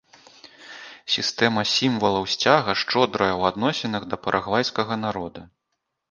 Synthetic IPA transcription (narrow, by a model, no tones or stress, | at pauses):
sʲist̪ɛmɐsʲimvɐlˠɐwsʲt͡sʲaɣɐʂt͡ʂɔd̪ɾɐjɐwad̪nɔsʲɛnɐɣd̪ɐpɐɾʔaɣvajskɐɣɐnaɾɔd̪ɐ